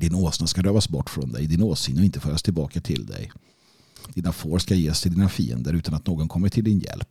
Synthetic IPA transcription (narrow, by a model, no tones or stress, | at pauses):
d̪ɪnoːsnaskaɾøːvasbɔʈːfɾɔnd̪ɛ̰jd̪ɪnoːsɪnɔɪnt̪əfœːɾast̪ʰɪlbɑːkat̪ʰɪld̪ɛ̰j | d̪̥iːnafoːɾsʂkajeːst̪ʰɪld̪iːnafḭːə̰nd̪əɾʉ̟ːt̪anat̪noːɡɔnkʰɔmːəʈʰɪld̪ɪnjɛ̰lp̚